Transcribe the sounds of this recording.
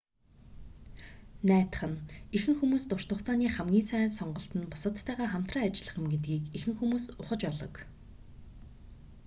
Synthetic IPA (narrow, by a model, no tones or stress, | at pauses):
næːt̪ə̥̆χə̆nexɘ̆ŋxumuːst̪ʊr̥t̪ʰʊχt͡saːniːχæmɡʲiːnsæːsɔɴɢɞ̆ɬt̪ə̆npʊ̥sə̆t̪ʰːæːʁaːχam̥t̪raːat͡ɕɪ̆ɮə̆χə̆mɡet̪̚ɡiːkexɘ̆ŋxumuːsʊχə̆t͡ɕɔɮɞ̰̆k